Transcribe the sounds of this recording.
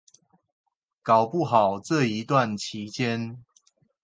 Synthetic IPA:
ka˨˩ʊpu˥˨xɑ˨˩ʊʈ͡ʂɤ˥˨i˨˦t̪wa˥˨nt͡ɕʰi˨˦t͡ɕjɛ˦n

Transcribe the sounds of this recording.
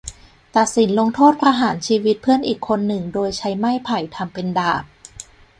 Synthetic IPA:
t̪a˨˩t̪̚si˩˦nlo˧ŋt̪ʰoː˥˩t̪̚pʰɾa˧ɦaː˩˦nt͡ɕʰiː˧wi˦˥t̪̚pʰɯ˥˩ənʔiː˨˩kʰːo˧nːɯ˨˩ŋdoː˧jt͡ɕʰa˦˥jma˥˩jpʰa˨˩jt̪ʰa˧mpe˧ndaː˨˩p̚

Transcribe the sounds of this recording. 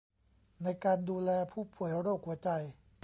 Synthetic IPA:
na˧jkaː˧nduː˧lɛː˧pʰuː˥˩pu˨˩˦əjɾa˧˦ɾoː˥˩k̚hu˩˦ɐt͡ɕa˧j

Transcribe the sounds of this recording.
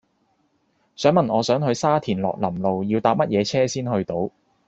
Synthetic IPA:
sœː˨˥ŋmɐ˨nʔɔː˨˧sœː˨˥ŋɦɵ˧ɥsaː˥t̪ʰiː˨˩nlɔ̰ː˨k̚lɐ˨˩mlo˨wjiː˧wt̪aː˧p̚mɐ˥t̚jɛː˨˧t͡sʰɛː˥siː˥nhɵ˧ɥt̪o˨˧˥w

